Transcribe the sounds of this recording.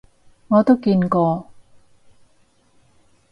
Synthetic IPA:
ŋɔː˨˧t̪o˥wkiː˧nkɔː˧

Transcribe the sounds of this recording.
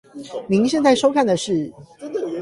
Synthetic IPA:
mi˨˧˦ŋɕjɛ˥˧nt͡sa˥˩ɪʂo˥ʊkʰa˥˩nd̪ə˩ʂɻ̩˥˩

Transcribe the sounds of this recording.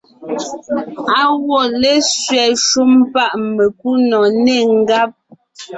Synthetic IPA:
a˦wɔ˦˨le˦sɥɛ˨ʃu˦mpa˦˨ʔme˨k̚u˦nɔ˨ne˦˨ŋ̩˦ɡa˦p̚

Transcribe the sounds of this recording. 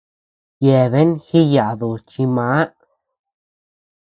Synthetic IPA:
je˧βe˦nxi˦ja˨d̪u˨t͡ʃi˧ma˨˦

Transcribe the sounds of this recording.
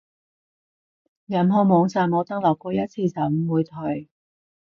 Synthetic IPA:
jɐ˨˩mɦɔ˧mɔː˨˧ŋt͡saː˨nmɔː˨˧t̪ɐ˥k̚lɐ˨˩wkɔː˧jɐ˥t̚t͡sʰiː˧sɐ˨˥m̩˨wuː˨˧jt̪ʰɵ˨˩ɥ

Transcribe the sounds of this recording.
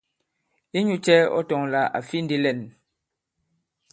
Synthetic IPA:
i˦ɲu˨t͡ʃɛ˦ɔ̰˦tɔ˨ŋla˨ʔa̰˨fi˦n̩˦di˦lɛ˦˨n

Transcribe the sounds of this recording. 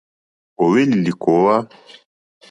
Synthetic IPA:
ɔ˨wɛ˦li˨li˨kɔ˨˦wa˦

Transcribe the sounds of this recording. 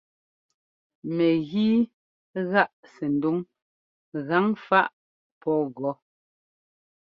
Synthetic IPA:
mɛ˨ɣiː˦ | ɣa˦˨ʔsɛ˨n̩˨du˦ŋ | ɣa˨˦ŋfa˦ʔ | pɔ˦ɣɔ˨˦

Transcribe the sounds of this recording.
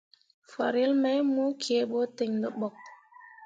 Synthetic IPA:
fa˨ɾi˦lma˦jmu˦kʰi˨e˨˦ɓo˦te˨ŋdo˨ɓɔ˨k̚

